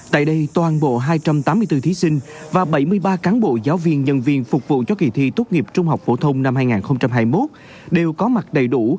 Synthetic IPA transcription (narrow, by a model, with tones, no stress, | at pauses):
t̪a̰ː˧˨jɗə˧jt̪waː˨˩nɓo̰˧˨ɦaː˧jt͡ɕa˧mt̪aː˨˦mːɨ˧əjt̪ɨ˧t̪ʰi˨˦sï˧ŋ̟vaː˨˩ɓə˧˩jmɨ˧əjɓaː˧kaː˨˦nɓo̰˧˨zaː˨˦wvi˧ənɲə̰˧˨nvi˧˩ənfʊ˨˩k̚vṵ˧˨t͡ɕɔ˧kḭ˧˩t̪ʰḭ˧t̪u˦˥t̚ŋi˨˩əp̚t͡ɕʊ˧ŋ͡mɦa˨˩wk͡p̚fo˧˩t̪ʰə˧wŋ͡mna˧mhaː˧jŋaː˨˩nxə˧wŋ͡mt͡ɕa˧mɦaː˧jmo˦˥t̚ | ɗe˨˩wkɔ˨˦ma˨˩t̚ɗə˨˩jɗu˧˩